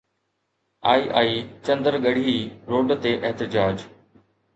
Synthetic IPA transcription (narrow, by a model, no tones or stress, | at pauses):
aːiːʔaːiːt͡ɕɐ̃nd̪əɾɡɐɽ̤iiɾoːɖt̪eʔɛɦt̪ɪd͡ʑaːd͡ʑ